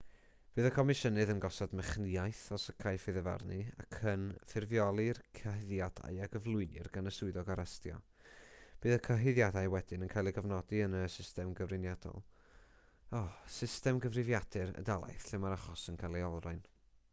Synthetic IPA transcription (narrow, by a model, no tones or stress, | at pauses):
b̥ɨːðəkʰɔmɪʃənɨðənɡɔsɔdmɛχnɪajθɔsəkʰajfɨðɛva̰rnɨa̰kʰənfɪrvjɔlˠɨrkʰəɦɪðjada̰jaɡəvlˠʊɨnɨrɡanəsʊɨðɔɡaɾɛstjɔ̰ | b̥ɨːðəkʰəɦɪðjadajwɛdɪnənkʰajlˠiɡəvnɔdiənəsɪstɛmɡəvrɨnjadɔ̰lˠ | ɔsɪstɛmɡəvrɪvjad̥ɨɾə̰dalˠa̰jθɬɪmaɾaχɔsənkʰajlˠiɔlˠraɨn